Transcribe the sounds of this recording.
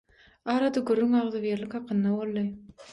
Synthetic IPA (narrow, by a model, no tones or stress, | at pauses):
ɑːɾɑd̪ɑɡuɾːyŋɑʁðɯvjeɾlikʲhɑqʰɯnːɑbo̞lˠːɯ